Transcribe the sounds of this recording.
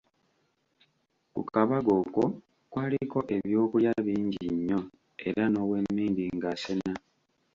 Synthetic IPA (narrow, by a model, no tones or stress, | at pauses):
kṵkaβaɡo̞ːko̞ | kwaːliko̞ʔe̞βjo̞ːkuljaβiːɲɟiɲːo̞ | e̞ɾano̞we̞mːiːndiŋɡase̞na